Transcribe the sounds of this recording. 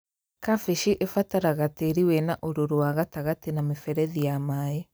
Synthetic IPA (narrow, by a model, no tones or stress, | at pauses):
kafeʃiʔefataɾaɣateɾiwɛnaʔoɾoɾowaɣataɣatenamefɛɾɛðijamae